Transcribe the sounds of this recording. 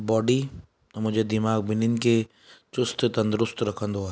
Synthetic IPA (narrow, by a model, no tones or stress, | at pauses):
bɔːɖi | mʊd͡ʒʱed̪ɪmaːɡ̚bɪnɪnke | t͡ʃʊst̪t̪ɐ̃nd̪ɾʊst̪ɾɐkʰə̃nd̪oaː